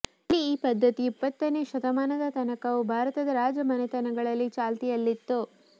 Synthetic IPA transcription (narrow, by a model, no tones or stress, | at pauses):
ɐliːpɐd̪ʱːɐt̪iːpːɐt̪ːɐneʃɐt̪ɐmaːnɐd̪ɐt̪ɐnɐkɐʋubʱaːɾɐt̪ɐd̪ɐɾaːd͡ʒɐmɐnɛt̪ɐnɐɡɐɭɐlːit͡ʃaːlt̪ijɐlːit̪ːu